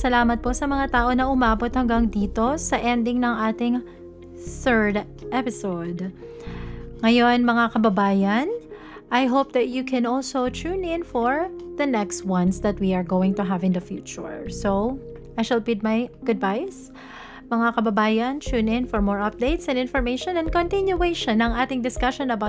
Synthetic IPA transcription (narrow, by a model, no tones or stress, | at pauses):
sɐlaːmɐt̪̚posɐmɐŋat̪aːʔonɐʔʊmaːbot̪̚hɐŋɡɐŋd̪iːt̪o̞sɐʔɛnd̪ɪŋnɐŋʔaːt̪ɪŋ | sɛɹd̪ | ʔɛpɪsod̪ | ŋɐjo̞nmɐŋakɐbɐbaːjɐn | ʔɐjɦowp̚d̪ɐt̪̚jukʰɛ̃nɔlsowt͡ʃunɪ̃nfɔɹðɐnɛkst̪̚wɐ̃nsd̪ɐt̪̚wiɐɹɡowɪ̃ŋt̪ʊɦavɪ̃nd̪ɐfjṵːt͡ʃʊ̰ɹso | ʔajʃɐlpid̪̚mɐjɡ̥ʊd̪bajs | mɐŋakɐbɐbaːjɐnt͡ʃunɪ̃nfɔɹmɔɹɐp̚d̪eɪt̪sɛ̃nd̪ɪ̃nfɔɹmeɪʃɔ̃nɛ̃nd̚kɔ̃nt̪ɪnjʊejʃɔ̃nɐŋʔaːt̪ɪŋd̪ɪskɐʃɔ̃nɐbaw